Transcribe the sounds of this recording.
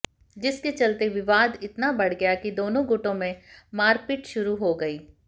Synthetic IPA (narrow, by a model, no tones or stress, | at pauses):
d͡ʒɪsket͡ʃɐlt̪eʋɪʋaːd̪ɪt̪nabɐɽ̤ɡɐjakid̪oːnõɡʊʈõmẽmaːɾpɪʈʃʊɾuɦoɡɐiː